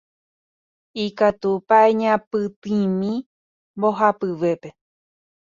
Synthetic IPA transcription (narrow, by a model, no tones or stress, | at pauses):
ikat̪upaeɲãpɨt̪ĩmĩ | bo̞ɦapɨʋe̞pe̞